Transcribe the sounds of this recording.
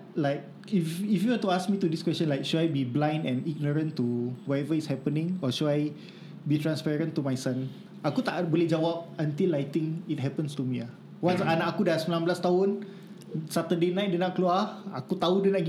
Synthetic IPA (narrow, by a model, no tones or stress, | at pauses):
laɪk̚ | ififjuwənt̪uask̚mit̪udiskwɛst͡ʃə̃nlajkʃudajbiblãj̃ndɛ̃niɡ̚nəɹə̃nt̪uwɔtɛvəishɛpənĩŋɔʃuaj | bit̪ɹãnspɛɹə̃nt̪umajsãn | akut̪a̰ʔbolɛhd͡ʒawap̚ə̃nt̪ilajt̪ĩŋit̚ɦɛpə̃nst̪umia | wãnsanaʔakudasəmilãnblast̪aɦʊ̃n | sat̪ədenãɪt̚dənaʔkluaakut̪audənaʔ